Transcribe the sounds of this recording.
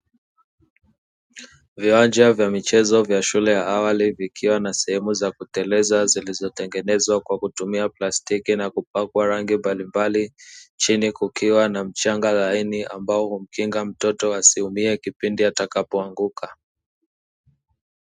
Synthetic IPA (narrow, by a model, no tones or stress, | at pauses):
viwand͡ʒavjamit͡ʃɛzɔvjaʃulɛjaawalivikʰiwanasɛhɛmuzakutɛlɛzazilizɔtɛŋɡɛnɛzwakwakutumiaplastikinakup̚akwaɾaŋɡimbalimbalit͡ʃinikukiwanam̩t͡ʃaŋɡalainiʔa̰mbaɔhum̩kiŋɡam̩tɔtɔasihumiɛkipindiatakapɔaŋɡukʰa